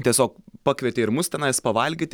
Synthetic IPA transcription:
t̪ʲiɛsʲoːkpɑːkʋʲɛt̪ʲeɪɾmʊst̪ʲɛnɐɪspɐʋɐlʲɡʲɪt̪ʲ

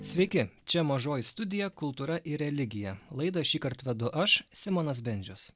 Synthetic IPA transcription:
sʲʋʲɛɪkʲɪt͡ʃʲɛmɐʒoːjɪst̪ʊd̪ʲɪjɛkʊlˠt̪uːɾɐʔɪɾʲɛlʲɪɡʲɪjɛlˠɐɪd̪ɐʃʲiːkɐɾt̪ʋʲɛd̪ʊʔɐʃsʲɪmoːnɐs̬bʲɛnʲd͡ʒʲʊs

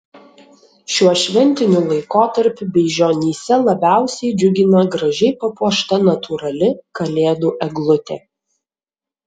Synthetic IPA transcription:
ʃʲuɔʃʲʋʲɛnʲt̪ʲɪnʲulˠɐɪkoːt̪ɐɾʲpʲʊbʲɛɪʒʲoːnʲiːsʲɛlˠɐbʲæˑʊsʲɛɪd͡ʒʲʊɡʲɪnɐɡɾɐʒʲɛɪpɐpuɔʃt̪ɐnɐt̪ʰuːɾɐlʲɪkɐlʲeːd̪uːʔɛɡlˠʊt̪ʲḛː

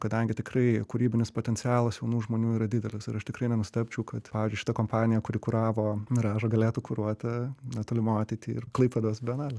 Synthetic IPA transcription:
kɐd̪ɐŋʲɡʲɪt̪ʲɪkrɐɪkuːɾʲiːbʲɪnʲɪspot̪ʲɛnʲtt͡s̪ʲɪæːlˠɐsjɛʊnuːʒmoːnʲuːiːɾɐd̪ʲɪd̪ʲɛlʲɪsɪɾɐʃt̪ʲɪkɾɐɪnʲɛnʊsʲɪt̪ɛpʲt͡ʃʲɛʊkɐt̪pɑːʋʲɪːzʲd͡ʒʲʊɪʃɪt̪ɐkompɑːnʲɪjɛkʊɾʲɪkʊɾɑːʋoːrɑːʒoːɡɐlʲeːt̪uːkʊɾuɔt̪ɐnʲɛt̪oːlʲɪmoɑːt̪ʲit̪ʲiːɪrklˠɐɪpʋɐd̪oːsbʲɛnɑːlʲɛ

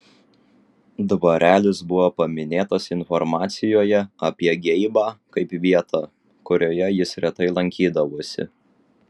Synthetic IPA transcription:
d̪ʋɐɾʲʔæːlʲɪsbʊʋoːpɐmʲɪnʲeːt̪ɐsɪnfɔɾmɑːt̪sʲɪjoːjɛɐpʲiɛɡʲɛɪbɑːkɐɪpʋʲiɛt̪ʰɑː | kʊɾʲoːjɛjɪsɾʲɛt̪ɐɪlˠɐŋʲkʲiːd̪ɐʋoːsʲɪ̰

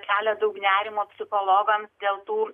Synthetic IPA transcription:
kʲæːlʲɛd̪ɐʊknʲæːɾʲɪmoːpʲsʲɪxolˠoːɡɐmsd̪ʲeːlˠt̪uː

